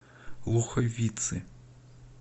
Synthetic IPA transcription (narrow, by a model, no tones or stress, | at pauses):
lˠuxɔʋʲit̪sɨ